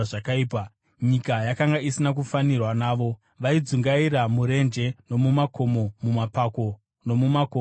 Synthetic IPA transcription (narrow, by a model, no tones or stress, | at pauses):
akaiːpa | ɲikajakaŋɡaisinak̬ufanirwanaːʋo̞ | ʋaid͡zuŋɡaiɾamuɾe̞nd͡ʒe̞no̞mumakʰo̞mo̞mumapako̞ | no̞mumako